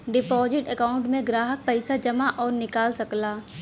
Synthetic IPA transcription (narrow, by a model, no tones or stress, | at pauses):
ɖɪpɔːzɪʈəkaːʊ̃ɳʈmẽɡɾaːɦək̚pɛɪsad͡ʒɐmaʔɔːɾnɪkaːlsɐklaː